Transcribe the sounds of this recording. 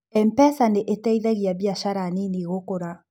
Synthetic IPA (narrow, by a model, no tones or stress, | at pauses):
ɛmpɛsaneʔetɛiðɛɣiaβiaʃaɾaniniɣokoɾa